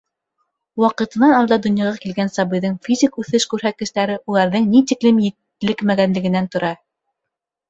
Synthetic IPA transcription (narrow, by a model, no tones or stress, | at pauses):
wɑqɤ̆t̪ɤ̆nɑnɑlˠd̪ɑd̪ŏnjɑʁɑkilɡænsɑβɤ̆jðɤɴfʲizʲikʉθɘʃkʉɾɦæt̪̚kɘ̆ʃt̪æɾɘʔulˠɑɾðɘŋnit̪iklɘmjɘ̆t̪ː | ɘ̆lɘkmæɡænlɘ̆ɡɘ̆nænt̪ŏɾɑ